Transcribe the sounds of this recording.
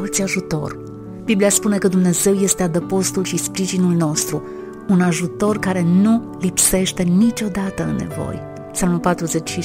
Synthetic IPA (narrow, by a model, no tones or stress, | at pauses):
ot̪sʲaʒut̪o̞̰r | b̥iblijaspune̞kəd̪umne̞ze̞wje̞st̪e̞ad̪əpo̞st̪ulʃispɾiʒinulno̞st̪ɾu | unaʒut̪o̞rkaɾe̞nu | lipse̞ʃt̪e̞nit͡ʃʲo̞d̪at̪əɨnːe̞̰vo̞̰j | psalmulpat̪ɾuze̞t͡ʃʃi